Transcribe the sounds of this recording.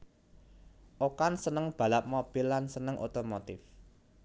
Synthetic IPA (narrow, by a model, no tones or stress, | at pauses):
ʔokansənəŋb̥ä̤laʔ̚mob̥ɪlːansənəŋʔo̰t̪omot̪ɪf